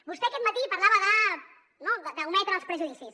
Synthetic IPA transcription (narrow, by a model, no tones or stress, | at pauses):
bust̪eɐkɛt̪mat̪ipaɾlaβəðə | noðəd̪əwmɛt̪ɾəalˠspɾəʒuðisis